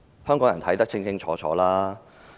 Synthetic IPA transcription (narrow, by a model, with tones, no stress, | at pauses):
hœː˥ŋkɔː˨˥ŋjɐ˨˩t̪ʰɐ˨˥jt̪ɐ˥k̚t͡sʰɪ˥˧ŋt͡sʰɪ˥ŋt͡ʃʰɔː˨˥t͡ʃʰɔ̰ː˨˥laː˥